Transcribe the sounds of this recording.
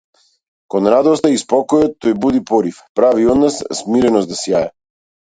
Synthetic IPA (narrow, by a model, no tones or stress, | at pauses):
kɔnɾad̪ɔst̪aispɔkɔjɔt̪ːɔjbud̪ipɔɾifpɾaviɔd̪nasːmiɾɛnɔst̪asijaɛ